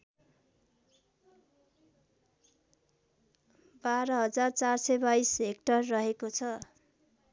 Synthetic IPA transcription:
baɾʌɦʌd͡zart͡sarsʌjbajsek̚ʈʌrːʌɦekot͡sʰʌ

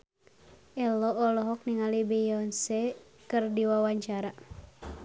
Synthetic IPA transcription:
ɛlɔʔːlɔɦɔk̚niŋalibejɔnsɛ | kɨrdiwawaɲt͡ʃaɾa

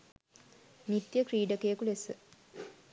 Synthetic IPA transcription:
nit̪jəkriːɖəkejəkulesə

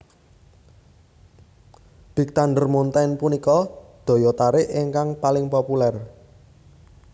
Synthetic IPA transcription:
d̪̥i̤k̚t̪anɖərmont̪anpunikɔd̪̥ɔ̤jɔt̪aɾɪʔɪŋkaŋpalɪŋpopulɛr

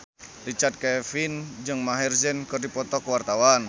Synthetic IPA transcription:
rit͡ʃard̪̚kɛfind͡ʒɨŋmaɦɛrzɛnkərdipɔt̪ɔkəwart̪awan

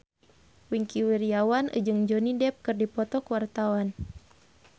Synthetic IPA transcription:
wiŋkiwiriawanɨ̰d͡ʒɨŋd͡ʒɔnidɛp̚kɨrdipɔt̪ɔkəwart̪awan

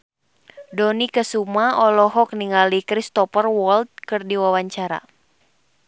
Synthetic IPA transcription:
dɔnikəsumaɔlɔɦɔk̚niŋalikɾist̪ɔpərwɔlt̪̚kɨrdiwawaɲt͡ʃaɾa̰

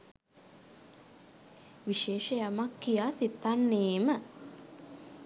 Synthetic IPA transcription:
ʋiʃeːʃəjamakːijaːsit̪ːanːeːmə

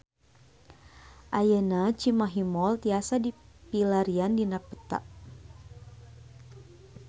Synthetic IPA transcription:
ʔajənat͡ʃimaɦimɔlt̪iasadipilaɾiandinapət̪a̰ʔ

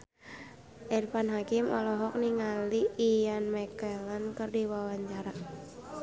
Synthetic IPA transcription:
ʔɛrfanɦakimɔ̰lɔɦɔk̚niŋaliːjanmɛkɛlankɨrdiwawaɲt͡ʃaɾa

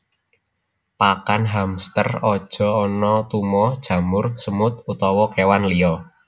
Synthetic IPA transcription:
pakanɦamst̪ərɔd̥ʒ̥ɔ̤ɔnɔt̪umɔd̥ʒ̥a̤mʊrsəmʊt̪̚ut̪ɔwɔkewanliɔ

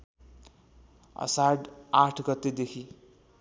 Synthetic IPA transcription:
ʌ̰saɽaʈʰɡʌt̪ːed̪ekʰi

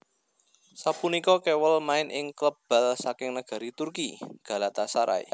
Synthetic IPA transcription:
sapunikɔkewəlmaɪnʔɪŋkləb̥a̤lsakɪŋnəɡ̥a̤ɾit̪urkiɡ̥ä̤lat̪asaɾʔa̰j̰

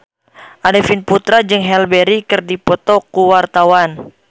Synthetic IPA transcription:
ʔadɛfinput̪ɾad͡ʒɨŋɦɛlbɛɾikɨrdipɔt̪ɔkuwart̪awan

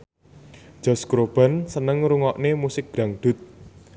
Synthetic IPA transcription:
d͡ʒ̥ɔ̤skɾob̥a̤nsənəŋɾuŋɔʔnemusɪk̚ɡ̥ɾaŋɖ̪̥ʊ̤t̪̚

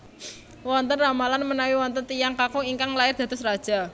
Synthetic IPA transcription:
wɔnt̪ənramalanmənawiwɔnt̪ənt̪ijaŋkakɔiŋkaŋlaɪrd̪̥ä̤t̪ʊsrad̥ʒ̥a̤

